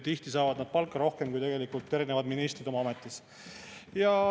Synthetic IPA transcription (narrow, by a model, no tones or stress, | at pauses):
t̪iht̪isɑːvɑd̪nɑd̪̥̚pɑlkːˑɑɾo̞hke̞mkujt̪e̞ɡ̥e̞likult̪ːˑe̞ɾinevɑd̪minist̪rid̪̥o̞mɑɑme̞t̪ːˑis | jɑ